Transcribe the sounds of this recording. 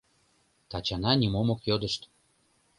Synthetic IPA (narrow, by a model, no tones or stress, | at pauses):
t̪ɑt͡ɕɑnɑnʲimomokjod̪əʃt̪